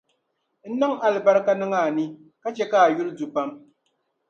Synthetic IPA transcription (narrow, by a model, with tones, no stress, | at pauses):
n̩˦nɔ˦ŋa˨lɨ˨ba˦ɾka˦nɨ˦ŋa˦˨ni˦ | ka˦t͡ʃɛ˦ka˦a˨ju˦ldu˨pa˦m